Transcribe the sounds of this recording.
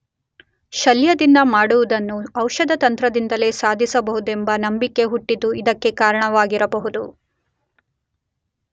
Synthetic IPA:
ʃɐljɐd̪ind̪ɐmaːɽuʋud̪ɐnːuɐwʃɐd̪ʱɐt̪ɐnt̪ɾɐd̪ind̪ɐle̞saːd̪ʱisɐbɐɦud̪ue̞mbɐnɐmbikːe̞ɦuʈːid̪ːuid̪ɐkːe̞kaːɾɐɳɐʋaːɡiɾɐbɐɦud̪ṵ

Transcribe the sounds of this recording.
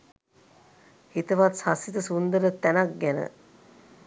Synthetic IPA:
hit̪əʋat̪sasit̪əsund̪əɾət̪ænak̚ɡɛnə̰

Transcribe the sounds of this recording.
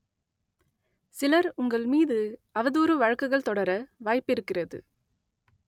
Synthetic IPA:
sɪlɐɾʊŋɡɐɭmiːðɯʔɐʋɐðuːɾɯʋɐɻɐkːɯɣɐɭt̪ɔɽɐɾɐʋaːjpɪɾɯkːɪrɐðɯ̰

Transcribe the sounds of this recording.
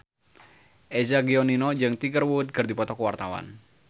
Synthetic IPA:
ʔɛzaɡiɔninɔd͡ʒɨŋt̪iɡərwud̪̚ɡɨrd̪ipɔt̪ɔkəwart̪awa̰n

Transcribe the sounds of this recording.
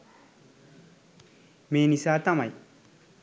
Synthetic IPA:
meːnisaːt̪amaj

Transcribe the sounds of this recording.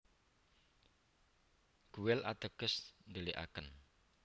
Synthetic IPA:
ɡ̥ṳwɪlʔa̰d̪̥əɡ̥əsnd̪əliʔa̰kən

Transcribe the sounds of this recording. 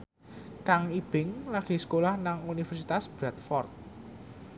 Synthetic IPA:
kaŋib̥ɪ̤ŋlaɡ̥i̤skolahnaŋunifɛrsit̪asb̥ɾat̪̚fɔrt̪̚

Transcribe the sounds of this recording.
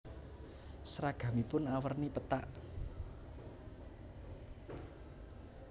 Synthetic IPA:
sɾaɡ̥a̤mipʊnawərnipət̪aʔ

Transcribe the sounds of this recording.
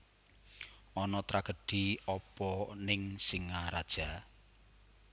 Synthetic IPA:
ɔnɔt̪ɾaɡ̥ə̤ɖ̥i̤ɔpɔnɪŋsiŋaɾad̥ʒ̥a̤

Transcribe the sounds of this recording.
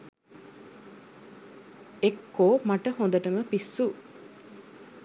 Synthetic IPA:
ekːoːmaʈəhõnd̪əʈəməpisːu

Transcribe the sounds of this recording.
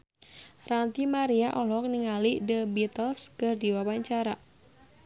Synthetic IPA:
rant̪imaɾiaʔɔlɔk̚niŋalidəbit̪əlskərdiwawaɲt͡ʃaɾa

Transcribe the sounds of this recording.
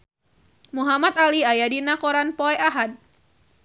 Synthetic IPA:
muɦamat̪aliajadinakɔɾanpɔɛʔaɦad̚

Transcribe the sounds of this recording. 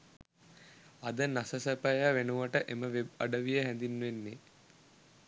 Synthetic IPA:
ɐd̪ənasəsəpəjaʋenuʋəʈəʔeməʋeb̚ɐ̰ɖəʋijəɦænd̪inːuʋenːe

